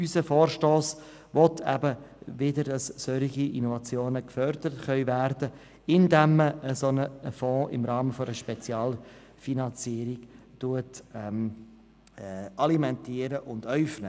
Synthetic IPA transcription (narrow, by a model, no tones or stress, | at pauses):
ysəfɔːɾʃtoːs | ʋɔtʰɛ̰bəvɪdəɾdɑssœɾiɡiʔinɔvɑt͡sjoːnəkfœɾd̪əɾətχœʏvæɾd̥ə | ɪndɛmːəːəsonəfɔ̃ːʔɪ̰mɾɑːməfɔəʃpɛt͡sjɑːl | finɑnt͡siːəɾiɡtuətɛm | ɑlimɛntiːəɾəʔʊnd̥œʏfnə